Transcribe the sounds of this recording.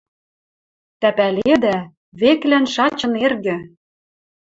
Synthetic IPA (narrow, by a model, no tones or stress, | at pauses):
t̪æpæled̪æ | βeklænʃɑt͡ɕɤ̆nerɣɘ̆